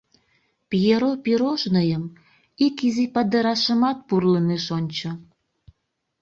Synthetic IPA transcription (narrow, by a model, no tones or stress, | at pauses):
pjeɾopiɾoʃnɤjəm | ikizipɑd̪ə̆ɾɑʃə̆mɑt̪̚purləneʃonʲt͡ɕə̆